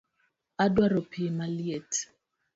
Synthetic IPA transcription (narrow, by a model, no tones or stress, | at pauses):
adwaɾɔpʰimaliɛt